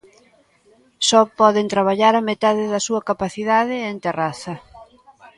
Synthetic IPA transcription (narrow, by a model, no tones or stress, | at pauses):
sɔpɔðent̪ɾaβ̞aʎaɾamet̪aðɪðɐsuɐkapaθiðaðɪent̪eraθɐ